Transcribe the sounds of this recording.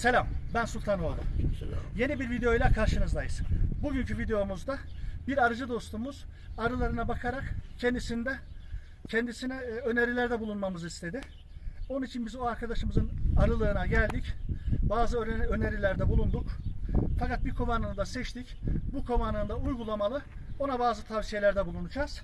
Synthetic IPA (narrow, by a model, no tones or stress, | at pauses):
se̞lʲambænsulʲt̪ʰanoad̪ˠɯ̰mje̞nibiɾvid̪eo̞jlʲˠakʰaɾʃɯnɯzd̪ajɯzbuɟyncʰyvid̪ejo̞muzd̪abiɾaɾɯd͡ʒɯd̪o̞st̪ʰuːmuz̥ | aɾɯlˠaɾɯnabakʰaɾakcʰɛnd̪isind̪ɛ | cʰɛnd̪isinɛøne̞ɾilʲæɾd̪ɛbulˠunmamɯzist̪ʰe̞d̪ɪ | o̞nunit͡ʃʰinbizoaɾkʰad̪aʃɯmɯzɯnaɾɯlˠɯːnaɟælʲd̪icbaːzɯøøne̞ɾilʲæɾd̪ɛbulˠund̪ukfakat̪̚biɾkʰo̞vanɯnɯd̪asɛt͡ʃt̪ʰicbukʰo̞vanɯnd̪aujɡulˠamalˠɯ | o̞nabaːzɯt̪ʰavsije̞lʲæɾd̪ɛbulˠunud͡ʒaːz̥